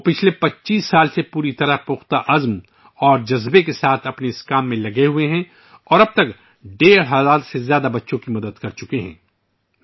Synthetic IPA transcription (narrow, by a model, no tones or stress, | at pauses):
opɪt͡ʃʰlepɐtːt͡ʃiːsːaːlsepuːɾit̪ɐɾapʊxt̪aʔɐzm | ɔːɾd͡ʒɐzbekesaːt̪ʰɐpneɪskaːmːẽlɐɡeɦueɦɛ̃ | ɔːɾɐb̚t̪ɐk | ɖeːɾɦɐzaːd̪sezjaːd̪abɐtːʃõkimɐd̪əd̪kɐɾt͡ʃʊkeɦɛ̰̃ː